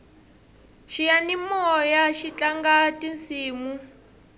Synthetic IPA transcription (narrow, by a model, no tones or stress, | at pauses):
ʃijanimɔjaʃit͡ɬʼaŋɡatʼint͡siːmu